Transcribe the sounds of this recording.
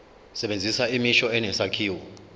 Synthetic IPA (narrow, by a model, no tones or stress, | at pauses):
sɛɓend͡zʱisaimiʃɔɛnɛsakʰiːwɔ